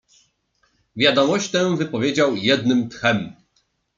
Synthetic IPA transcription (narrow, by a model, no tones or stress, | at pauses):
vʲjad̪ɔmɔɕt̪ɛw̃vɘpɔvʲjed͡ʑawjɛd̪nɘmt̪xɛm